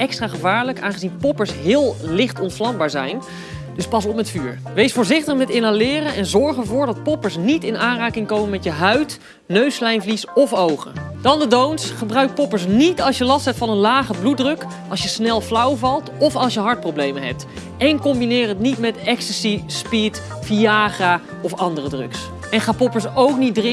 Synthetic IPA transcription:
ɛkstraːχəvaːɹləkaːnχəzinpɔpəɹsɦɪːlˠlɪχtɔnflɑmbaːɹzɛjn | dɵspɑs̬ɔpmɛtfyːɹ | ʋejsfʊːɹzɪχtəχmɛtɪnalɪːɾənɛnzɔɹχəvʊːɹdɑt̚pɔpəɹsnitɪnʔaːnraːkɪŋkowmənmɛtjəɦœɥt | nøɥslɛjnvlisɔfowχə̰ | d̥ɑndədownsχəbrœɥkt̚pɔpəɹs̬nitɑlˠsjəlɑstɦɛp̚tfɑnənlaːχəblut̚drɵk | ʔɑ̰lˠsjəsnɛlˠflawvɑlˠtɔfɑlˠsjəɦɑɹt̚prowblejməɦɛ̰p̚t | ɛnkɔmbinɪːrətnitmɛtɛkstəsispit | fiaːχa | ɔfɑndərədrɵ̰ks | ɛnχaːpɔpəɹsowk̚nitdrɪ

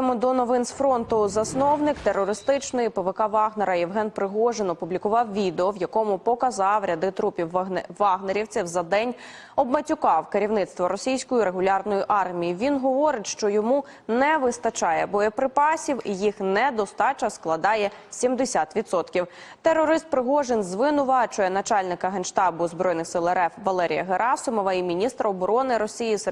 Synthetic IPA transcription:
mʊd̪ɔnɔʋɪnsfɾɔnt̪ʊzɐsnɔwnɪkt̪erːɔɾɪst̪ɪt͡ʃnɪjpɪʋekɑʋɑɦneɾɐjɛwɦɛnpɾɪɦɔʒenɔpublʲikʊʋɑwʋʲid̪eɔwjɐkɔmʊpɔkɐzɑwɾʲɐd̪ɪt̪ɾupʲiwʋɑɦneɾʲiwt͡s̪ʲɛwzɐd̪ɛnʲ | ɔbmɐtʲʊkɑwkeɾʲiwnɪt̪st̪ʋɔɾɔsʲijsʲkɔjiɾe̞ɦʊlʲɑrnɔjiʔɑrmʲijiʋʲinɦɔʋɔɾɪtʲʃt͡ʃɔjɔmu | nɛʋɪst̪ɐt͡ʃɑjɛbɔjɛpɾɪpɑsʲiwijixnɛd̪ɔst̪ɑt͡ʃɐsklˠɐd̪ɑjɛsʲimd̪esʲat̪ʋʲit̪sɔt̪kʲiw | t̪eɾɔɾɪst̪̚pɾɪɦɔʒenzʋɪnʊʋɑt͡ʃʊjɛnɐt͡ʃɑlʲnɪkɐɦɛnʃt̪ɑbʊzbɾɔjnɪxsɪlˠɛɾɛfʋɐlˠɛɾʲḭjɐɦeɾʔɑsʊmɔʋɐimʲinʲist̪ɾʔɐɔbɔɾɔnɪɾɔsʲijis

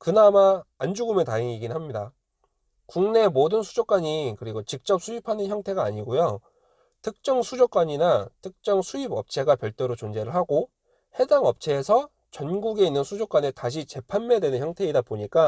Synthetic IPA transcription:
kɯnamaːnd͡ʑuɡɯmetaeŋiɡinɯnɦamɲida | kuŋne̞modɯnsʰud͡ʑok͈waɲikɯɾiɡot͡ɕik̚t͡ɕ͈ʌp̚sʰuipʰanɯnçjʌŋtʰe̞ɡaːɲiɡojo | tʰɯk̚t͡ɕ͈ʌŋsʰud͡ʑok͈waɲinatʰɯk̚t͡ɕ͈ʌŋsʰuibʌp̚t͡ɕʰe̞ɡapjʌɭt͈eɾot͡ɕond͡ʑe̞ɾɯɭɦaɡo | he̞daŋʌp̚t͡ɕʰe̞ːsʰʌ | t͡ɕʌnɡuɡe̞inːɯnsʰud͡ʑok͈wanetaɕ̬ʰit͡ɕe̞pʰanmedwe̞nɯnçjʌŋtʰe̞ːdapoɲik͈a

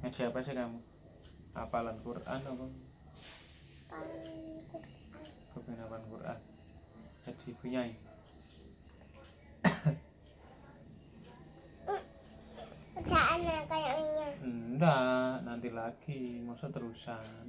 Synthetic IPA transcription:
ŋasiapasɛkamu | a̰palankurʔa̰napaŋ | palanakur | an | kapnapankurʔa̰n | kat͡ʃipuɲai | ud͡ʒaʔanːakajaiɲadanant̪ilakimɔsat̪əɾusan

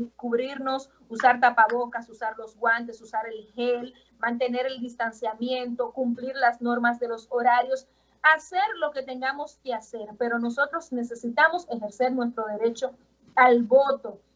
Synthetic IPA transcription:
kuβɾiɾno̞s | usaɾt̪̬apaβokasusaɾlozɣwant̪̬e̞susaɾe̞lhel | mãnt̪̬e̞ne̞ɾe̞ld̪ist̪ansjamje̞nt̪o̞kumpliɾlasno̞ɾmazðe̞lo̞soɾaɾjo̞s | ase̞ɾlo̞ke̞t̪e̞ŋɡamo̞skease̞ɾpe̞ɾo̞no̞so̞t̪ɾo̞sne̞se̞sit̪amo̞se̞xe̞ɾse̞ɾnwe̞s̬t̪ɾo̞ðe̞ɾe̞t͡ʃo̞ | alβo̞t̪o̞

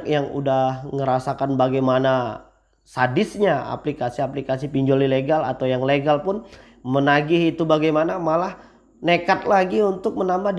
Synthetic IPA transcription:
k̚jaŋṵdahŋəɾasakanbaɡajmana | sadɪsɲaa̰plikasiaplikasipiɲd͡ʒolileɡala̰t̪awjaŋleɡalpʊn | mənaɡɪhit̪ubaɡajmanamalah | nekat̪̚laɡiunt̪ʊk̚mənambahd

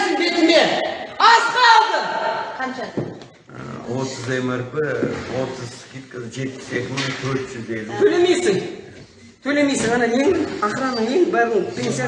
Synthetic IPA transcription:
ɪmbe̞t̪ɪme̞nɑsqɑɑlˠt̪əqʰɑnʃɑd̪̰ | wo̞t̪əzemɪɾpɪwo̞t̪əzkʲet̪ʲɪʒe̞t̪pɪ̥sekʲɪmt̪ʰɵɾt̪ʒɪzd̪ed̪ɪt̪ʰɵle̞mejsɪŋ | t̪ʰɵle̞me̞jsɪŋʁɑnɑje̞ŋɑχɾɑnəɴje̞ŋbɑʁəpʲʰe̞nsija

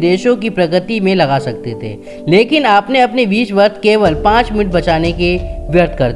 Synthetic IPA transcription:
d̪eːʃõkipɾɐɡɾət̪imẽlɐɣaːsɐk̚t̪et̪ʰḛː | leːkɪnaːpneɐpneʋiːsʋɐɾt̪ʰkeːʋəlpãːt͡ʃmɪnɪʈ̚bɐt͡ʃaːnekeʋjɐɾt̪̚ʰkɐɾ

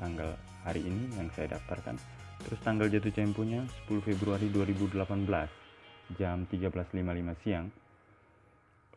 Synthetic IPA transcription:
t̪aŋɡal | haɾiːnijaŋsajada̰ft̪arka̰nt̪əɾʊst̪aŋɡald͡ʒat̪̬ut͡ʃɛmpuɲasə̥puluhfebɾuaɾiduaɾibudəlapanbəlasd͡ʒamt̪iɡabəlaslimalimasiaŋ

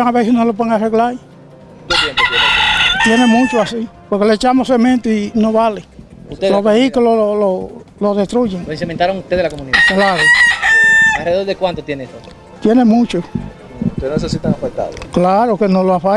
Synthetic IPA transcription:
aŋaβesesnolop̬eðeŋareɣla | noen | t̪jenemũt͡ʃoasipoɾkeleet͡ʃamosemẽnt̪oinoβale | uelozβeikulololo | loðest̪ɾuʝeŋloeŋsemẽnt̪aɾoŋust̪eðelakomuniðaklaɾo | alreðeoðekwant̪ot̪jeneest̪o | t̪jenemũt͡ʃo | ut̪enesesit̪aŋafek̚t̪a̰ðo̰klaɾokenoloafa

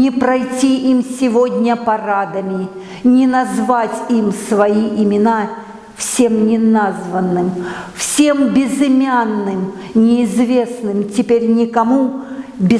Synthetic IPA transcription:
nʲɪpɾɐjtʲiimsʲɪvodʲnʲəpɐrad̪əmʲɪ | nʲɪnɐzvatʲimsvɐiʔɪmʲɪna | fsʲe̞mnʲɪnazvənːɨmfsʲembʲɪzɪmʲanːɨm | nʲɪːzvʲe̞snɨmtʲɪpʲeɾʲnʲɪkɐmubʲɪ

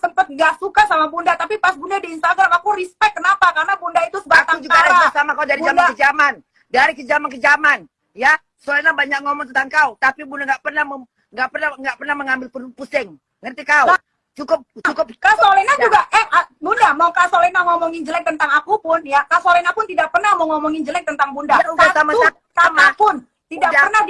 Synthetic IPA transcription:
səmpət̪̚ŋɡasukasamabundat̪apipasbundadiːnst̪aɡɾamakuɾispɛk̪̚kənapakarnabundait̪usəbat̪ad͡ʒukaaɾaasamakaudaɾid͡ʒamanakəd͡ʒaman | daɾikəd͡ʒamankəd͡ʒaman | ja | solɛnabaɲak̚ŋɔmɔŋt̪ənt̪aŋkaut̪apibundaŋɡaʔpərnahmə | ŋɡaʔpərnaŋɡaʔpərnahməŋambɪlpupusɪŋ | ŋərt̪ikau | t͡ʃukʊp̚ukʊp̚kasolɛnad͡ʒuɡaʔɛhabundamaukasolɛnaŋɔmɔŋɪnd͡ʒəlɛk̚t̪ənt̪aŋakupʊnjakasolɛnapʊnt̪idak̚pərnahməŋɔmɔŋɪnd͡ʒəlɛk̚t̪ənt̪aŋbundauasamaʊ | samapʊn | t̪idaʔpərnahd

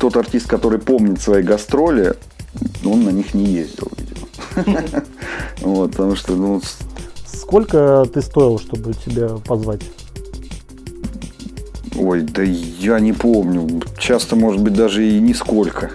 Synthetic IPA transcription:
t̪o̞t̪ɐrtʲist̪̚kɐt̪o̞ɾɨjpo̞mnʲɪt̪svɐjejɡɐst̪ɾo̞lʲɪ | o̞nːɐnʲixnʲɪjezʲdʲɪ̰lˠvʲḭdʲɪmə | vo̞t̪̚pət̪ɐmuʂt̪onussko̞lʲkət̪ɨst̪o̞jɪlˠəʂt̪o̞bɨtʲɪbʲapɐzvatʲ | o̞jd̪əjanʲɪpo̞mnʲʊt͡ɕast̪əmo̞ʐɨd̪̚bɨt̚ʲd̪aʐɨinʲɪsko̞lʲkʰə

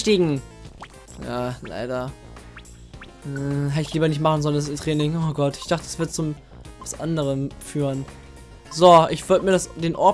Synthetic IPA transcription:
ʃtiːɡŋ̩ | jaːla̰ɪdɐ | ɦɛtɪçliːbɐnɪçtmaχn̩zɔlənsɪmtʁ̥ɛːnɪŋoɡɔtɪ̥çd̥aχtə̥sv̥ɪɐt̚t͡sʊm | vasʔa̰ndəʁ̞əmfyːʁən | zoʔɪçv̥ʏɐtəmiːɐɾasd̥eːnʔɔɐ

